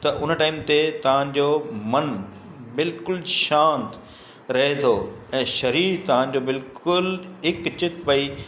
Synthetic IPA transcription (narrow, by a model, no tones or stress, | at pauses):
t̪ɐʔʊn̆ʈaːɪmt̪et̪ɐʋ̤ãd͡ʑoːmɐn | bɪlkʊlʃãːnt̪ | ɾɐɦet̪ʰoːɛ̃ːʃɐɾiːt̪ɐʋ̤ã̆d͡ʑoːbɪlkʊlɦɪkt͡ɕɪt̪pɐiː